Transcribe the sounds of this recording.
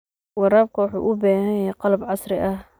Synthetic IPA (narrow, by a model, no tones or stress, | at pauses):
wɑɾaːb̚kʰɐwɑħṵːʔʊbaːhɐjjɛːqɑlɐbʕɑsɾɪʔɐh